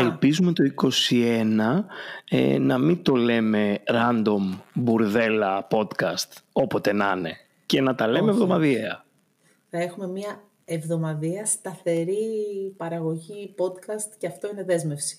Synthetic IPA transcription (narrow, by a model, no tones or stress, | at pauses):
elpizume̞t̪o̞iko̞sie̞nɐḛnɐmint̪o̞le̞me̞ɾɐnd̪o̞mbuɾðe̞lɐpo̞t̪kɐst̪o̞po̞t̪e̞nɐne̞ | ce̞nɐt̪ɐle̞meːvðo̞mɐðieɐ | θɐe̞xume̞miɐ | evðo̞mɐðiɐst̪ɐθe̞ɾipɐɾɐɣo̞ʝipo̞d̪kɐst̪ceɐft̪o̞ine̞ðe̞zme̞fsi̥